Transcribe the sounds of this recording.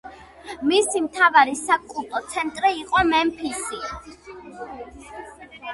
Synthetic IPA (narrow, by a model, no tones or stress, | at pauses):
misimt̪ʰavaɾisakʼulˠt̪ʼɔt̪sʰɛnt̪ʼɾiːqʼɔmɛmpʰisi